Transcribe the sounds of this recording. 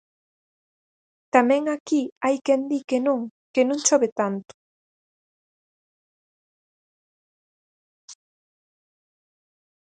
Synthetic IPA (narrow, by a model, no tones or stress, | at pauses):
t̪amẽŋakiajkend̪ikenõŋkenõŋt͡ʃoβet̪ant̪u̥